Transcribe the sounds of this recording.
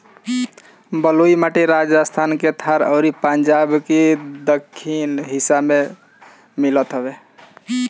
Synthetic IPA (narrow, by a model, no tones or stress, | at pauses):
bəluimaʈiɾad͡ʒəst̪ʰanket̪ʰaɾə̰ɾipənd͡ʒabkid̪əkʰːinɦisabme | milət̪ɦəbe